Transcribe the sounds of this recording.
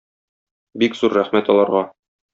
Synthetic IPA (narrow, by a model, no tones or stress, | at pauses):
bikz̥uɾːæχmæt̪ɒlˠɑɾʁɑ